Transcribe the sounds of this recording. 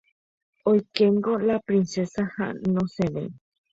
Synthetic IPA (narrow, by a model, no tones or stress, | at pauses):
ojkeŋɡolapɾinsesahã̰nõseβḛj